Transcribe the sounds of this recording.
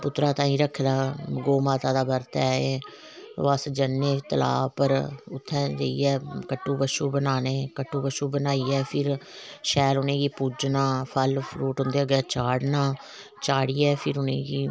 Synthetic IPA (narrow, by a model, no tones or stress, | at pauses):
pʊt̪ːɾãːt̪ãːĩːɾəkʰːlaːɡoːmaːt̪ãːd̪aːbəɾt̪ɛːe | ʋəsd͡ʒənːẽːt̪əla̰ːpəɾʊt̪ʰːɛ̃ːd͡ʒə̰ḭːɛːkəʈːuːbəʃuːbənaːneːkəʈːũːbəʃuːbənaːiːɛːpʰɪɾʃɛːlʊnẽːiːpuːd͡ʒnaːpʰəlpʰluːʈɦʊ̃nd̪eːəɡɛːt͡ʃaːɽnaː | t͡ʃaːɽiːɛːpʰɪɾʊnḛ̃ːɡiː